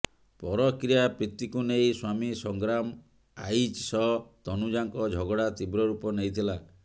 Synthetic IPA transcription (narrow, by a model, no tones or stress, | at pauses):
pɔɾɔkɾijapɾit̪ikunejswamisɔŋɡɾam | ajt͡ʃsɔt̪ɔnud͡ʒaŋkɔd͡ʒʱɔɡɔɽat̪ibɾɔɾupɔnejt̪ʰila